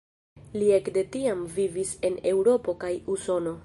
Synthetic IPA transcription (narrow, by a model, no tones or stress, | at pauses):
lie̞kde̞tiamvivise̞ne̞wɾo̞po̞kajuso̞no̞